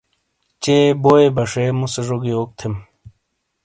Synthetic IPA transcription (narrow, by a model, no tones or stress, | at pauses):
t͡ɕeːboebɐʂemuseʐoɡioːk̚t̪ʰem